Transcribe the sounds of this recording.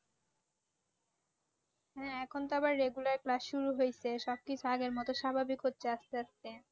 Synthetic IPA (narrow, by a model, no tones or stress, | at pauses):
hɦɛ̃ɛkʰont̪oabaɾːeɡulaɾklasʃuɾuɦojt͡ɕʰeʃɔb̚kit͡ɕʰuaɡeɾmɔt̪oʃabʱabikɦot̪ːɕeaʃt̪eaʃt̪e